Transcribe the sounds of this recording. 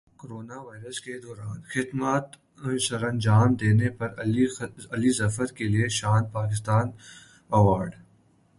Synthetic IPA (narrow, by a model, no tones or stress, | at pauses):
koɾoːnaʋaːɪɾəsked̪ɔːɾaːnxɪd̪maːt̪ | sɐɾɐ̃nd͡ʒaːmd̪eːnepɐɾ | ɐlizɐfəɾkelieʃaːnpaːkɪs̬t̪aːn | ɐʋaːɾɖ